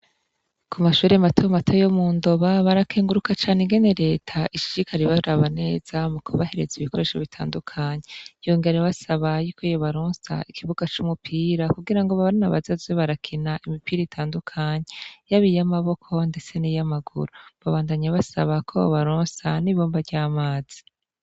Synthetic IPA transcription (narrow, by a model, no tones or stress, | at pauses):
kʰumaʃuːɾematʰomatʰojomuːndo̞βaβaɾakʰeːŋɡuɾukat͡ʃaːneiŋɡe̞ne̞ɾe̞ːtʰaʔiʃi̥ɾikʰaɾiβaɾaβane̞ːz̥amukʰoβahe̞ɾe̞ziβiko̞ɾe̞ːʃoβitʰa̰ːndukʰaɲejoŋɡe̞ɾeβasaβajukʰojoβaɾuːnsa̰ikʰiβuɡ̥at͡ʃumupʰiːɾakuɡiɾaŋɡoβaβaɾinaβazazeβaɾakʰinaʔimipiɾiitʰaːndukʰaɲejaβijamaβo̞kʰo̞nde̞t͡se̞nijamaɡṵɾoβaβaːndaɲaβasaβakʰo̰βo̰βaɾoːnsaniβoːmbavɟaːmaːz̥i̥